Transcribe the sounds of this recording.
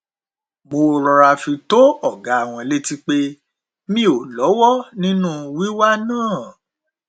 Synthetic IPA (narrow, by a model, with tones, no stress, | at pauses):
mo˧˨ɾɔ˧ɾa˧fi˧to˦ɔ˦˨ɡa˨˦a˦˨w̃ɔ̃˧le˦ti˧k͡pe˦ | mĩ˦o˨lɔ˨˦wɔ˦˨nĩ˦nũ˦wi˦wa˦nãː˦˨